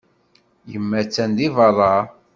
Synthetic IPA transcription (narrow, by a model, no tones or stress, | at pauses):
jəmːæt͡sːænd̪ivɑrˤɑ